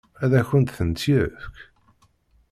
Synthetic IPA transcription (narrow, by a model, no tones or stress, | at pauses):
æðæçənt̪θənt̪jiθk